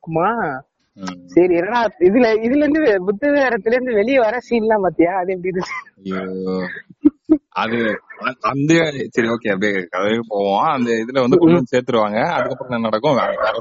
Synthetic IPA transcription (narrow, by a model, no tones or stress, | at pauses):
kmaː | sɐɾiɛnːɐnaːɪðɪlɐɪðɪlɛɾɯnd̪ɯbʊt̪ːɯɣaːɾɐt̪ːɪlɐɾɯnd̪ɯʋɛɭɪjɐʋɐɾaːsiːllãːmaːt̪ːɪjaːɐðɯɛpɐɽiɾɯt͡ʃːjo | ɐðɯɐɐnd̪ɯsɐɾioːkeːɐpɽijkɐðɐʋekːɯpoːʋõɐnd̪ɐɪðɪlɐʋɐnd̪ɯkʊɭːɐseːɾt̪ɯɾɯʋaːŋɡɐɐðɯkːɐpːɾɔ̃nãnɐɽɐkːʊ̃ɐkaːɾɐ